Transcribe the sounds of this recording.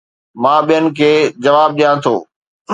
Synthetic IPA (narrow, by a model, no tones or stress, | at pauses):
mãːɓijənɪ̆kʰeːd͡ʑɐʋaːb̚ɗijãt̪ʰo̰ː